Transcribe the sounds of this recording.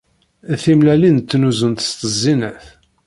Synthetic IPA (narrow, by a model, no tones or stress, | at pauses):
θimlælint̪ːnuzənt̪ə̥st̪əzːinæθ